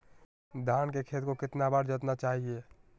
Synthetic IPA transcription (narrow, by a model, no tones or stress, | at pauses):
d̪ʱaːnkekʰeːt̪kokɪt̪nabaɾd͡ʒət̪nat͡ʃaːɦie